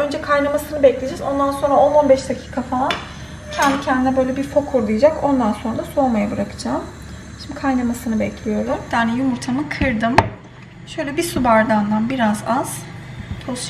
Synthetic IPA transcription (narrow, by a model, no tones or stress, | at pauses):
ønd͡ʒɛkʰajnamasɯnɯbɛclʲed͡ʒɛzo̞nd̪anso̞nɾao̞no̞nbɛʃd̪acʰi̥ːkʰafalˠan | cʰɛnd̪icʰɛnd̪inɛbø̞jlʲɛbiɾfo̞kʰuɾd̪ɯjad͡ʒakʰo̞nd̪anso̞nɾad̪aso̞ɾmajabɯɾakʰɯ̥d͡ʒaːm | ʃimd̪ikʰajnamasɯnɯbɛclʲijo̞ɾumd̪̥aːnɛjumuɾt̪ʰanɯkʰɯɾd̪ɯm | ʃøjlʲɛbisubaɾd̪and̪anbiɾazaz̥t̪ʰoʃ